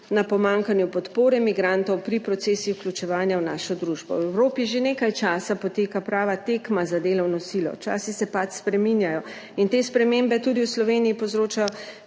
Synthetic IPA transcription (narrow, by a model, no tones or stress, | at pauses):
napɔmaŋkanjupɔt̪poːɾɛmiɡɾant̪ɔwpɾipɾɔt̪seːsixwklʲut͡ʃɛʋaːnjawnaːʃɔd̪ɾuʒbɔ̰wɛwɾoːpiʒeneːkajt͡ʃaːsapɔt̪eːkapɾaːʋat̪ekmazad̪eːlɔwnɔsilɔ̰t͡ʃa̰ːsisɛpat͡ʃ̪spɾɛminjajɔ | int̪eːspɾɛmembɛt̪uːd̪iwslɔʋeːnijipozɾoːt͡ʃajɔ